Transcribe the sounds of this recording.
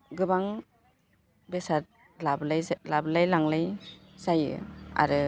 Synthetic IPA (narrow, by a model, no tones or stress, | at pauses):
ɡɯbaŋ | besat̚ | lablajlablajlaŋlajzajɯ̰a̰ɾɯ